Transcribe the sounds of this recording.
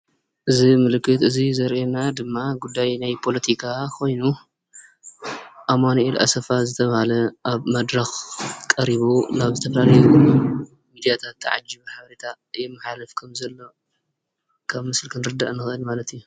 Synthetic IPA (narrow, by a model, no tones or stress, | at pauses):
ʔɨzimɨlɨkːɨt̪ɨzizɐɾʔenad̪ɨmːaɡud̪ːajnajpʰo̞lɐt̪ʰikʰakʰo̞jnu | ʔamanɐʔilʔa̰sɐfazɨt̪ʰɐβɐhalɐʔaβmɐd̪ɾɐxkʼɐɾiβunaβzɨt̪ʰɐfɐlalɐj | mid̪ijat̪ʰat̪ːʕa̰d͡ʒiβħaβɐɾet̪ʰa | ɨjɛmːɨħalɨfkʰɐmzɐlːo̞ | kʰaβmɨslkʰɨnɾɨd̪aʔnɨxʔɨlmalɐt̪iju